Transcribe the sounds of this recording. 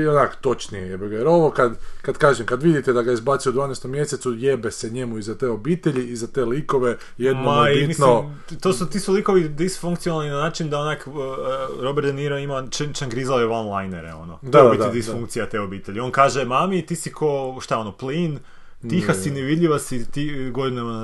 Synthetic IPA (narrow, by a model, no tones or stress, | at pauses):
onako̥t̪o̞t͡ʃniejebeɡeɾoʋokad̪kad̪kaːʒemkad̪ʋid̪it̪ɛd̪aɡaizbat̪siud̪ʋaːnest̪omːje̞set̪sujebeseɲemuizat̪eobiːt̪eʎiizat̪eːlikoʋe | jed̪noaiitmisno | t̪osut̪iːsulˠiko̞ʋid̪isfuŋkt̪sionalˠninanaːt͡ʃind̪aonak | ɾo̞beɾt̪niɾoimat͡ʃenit͡ʃanɡɾizaloʋanlˠajnḛɾḛo̞̰no̰td̪aid̪id̪isfuŋkt̪sijat̪eo̞biːt̪eʎio̞nkaːʒemamit̪iːsikʰoʃt̪aonoplin | t̪ixasineʋid̪ʎʲiʋasit̪iɡod̪ino